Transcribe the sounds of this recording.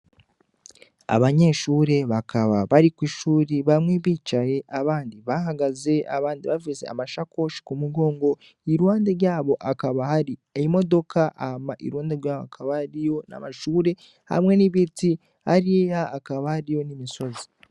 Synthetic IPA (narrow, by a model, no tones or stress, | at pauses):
a̰βaɲe̞ʃuːɾe̞βakʰaβaβaɾikwiːʃuːɾiβamŋiβit͡ʃaje̞ʔaβaːndiβaɦaɡaze̞a̰βaːndiβavize̞̰a̰maʃako̞ʃi̥kumuɡo̞ːŋɡo̞ | iɾwaːndeɾjaːβo̞ʔakaβahaɾieimo̞do̞kʰaʔamaʔḭɾwaːndeɾjaːβoakaβahaɾijo̞na̰maʃuːɾe̞ | ha̰mŋe̞niβiti | haɾijejaːkaβahaɾijo̞nimiso̞zi̥